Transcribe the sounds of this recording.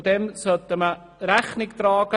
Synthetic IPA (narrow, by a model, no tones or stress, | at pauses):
d̪ɛmsœt̪əmə | ɾæχnɪkt̪ɾɑːɡ̥ə